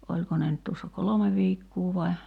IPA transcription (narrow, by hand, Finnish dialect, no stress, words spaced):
olʲko ne nyt tuosːɑ kolome ʋiːkːuː ʋɑi̞